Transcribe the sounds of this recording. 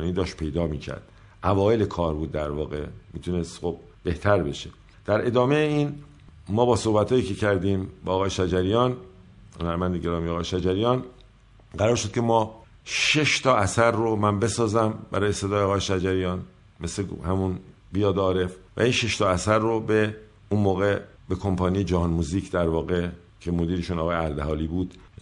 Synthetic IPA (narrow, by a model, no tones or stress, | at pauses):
niːd̪ɒːʃ̚pʰe̞jd̪ɒːmiːcʰæ̰ɾd̪̥ | ʔævɒːje̞lekʰɒːɾbuːd̪ːæɾvɒ̰ːɣe̞̰miːt̪ʰunest̪xob̚ | b̥e̞ht̪ʰæɾbe̞ʃe | d̪̥æɾe̞d̪ɒːmejeiːn | mɒːbɒːso̞hbæt̪hɒːjiːcʰe̞cʰæɾd̪iːmbɛɒːɣɒːjeʃæd͡ʒæɾijɒːn | honæɾmænd̪eɡe̞ɾɒːmijeɒːɣɒːjeʃæd͡ʒæɾijɒːn | ɢæɾɒːɾʃod̪̚cʰe̞mɒː | ʃeʃt̪ʰɒæsæɾːomænbe̞sɒːzæmbæɾɒːje̞sed̪ɒːjeɒːɣɒːjeʃæd͡ʒæɾijɒːn | me̞slehæmun | bijɒːd̪ɒːɾe̞fvæ̰iːnʃeʃt̪ʰɒːæsæɾːobe | unmoːɣe̞ | bekʰo̞mpʰɒːnijed͡ʒæɦɒnmuziːcʰd̪æɾvɒːɣe | cʰe̞mo̞d̪iːɾeʃunɒːɣɒːjeæɾd̪eɦɒːliːbuːd̪̥